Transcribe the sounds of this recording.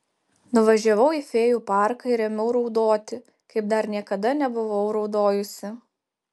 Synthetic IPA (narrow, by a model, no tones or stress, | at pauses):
nʊʋɐʒʲɛʋɐʊiːfʲeːjuːpɑˑɾkɐɪɾʲɛmʲɛʊɾɒʊd̪oːt̪ʲɪ | kɐɪp̚d̪ɐɾnʲiɛkɐd̪ɐnʲɛbʊʋɐʊɾɒʊd̪oːjʊsʲɪ